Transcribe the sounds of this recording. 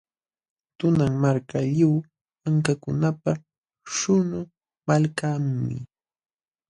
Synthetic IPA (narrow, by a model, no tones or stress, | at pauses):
t̪ʊnaŋmaɾkaʎaw | aŋkakʊnapa | ʃʊnʊ | malkammɪ̰